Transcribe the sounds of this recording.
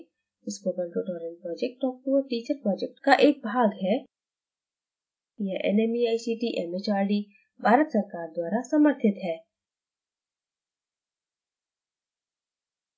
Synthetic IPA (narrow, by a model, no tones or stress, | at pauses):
ɪspəbəlʈoʈɔːɾẽnpɾɔːd͡ʒek̚ʈːɔk̚puoʈiːt͡ʃəɾpɾɔːd͡ʒek̚ʈkaʔeːk̚bʱaɡɦɛ | iɛ̃ʔḛnemiaːjsiʈiʔemet͡ʃaːɾɖi | bʱaːɾət̪sɐɾkaːɾd̪waːɾasɐməɾt̪ʰɪt̪ɦɛː